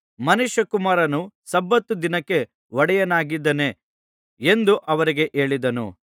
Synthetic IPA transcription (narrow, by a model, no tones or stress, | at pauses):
mɐnuʃjɐkumaːɾɐnusɐbːɐt̪ːud̪inɐkːe̞ | ʋɔɽɛjɐnaːɡid̪ːɐne̞ | end̪uʔɐʋɐɾiɡe̞ʔe̞ːɭid̪ɐnṵ